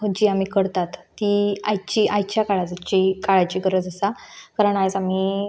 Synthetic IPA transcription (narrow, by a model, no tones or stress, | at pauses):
ɦəd͡ʑiːam̤iːkəɽt̪at̪ːiajt͡ɕiːʔajt͡ɕjakaɭad͡zat͡ɕikaɭat͡ɕiːɡəɾəd͡zəsakaɾəɳajd͡zam̤iː